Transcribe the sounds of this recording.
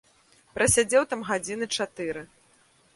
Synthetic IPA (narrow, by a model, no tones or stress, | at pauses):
pɾʔɐsʲad͡zʲɛwt̪amɣad͡zʲinɨt͡ʂat̪ɨɾɨ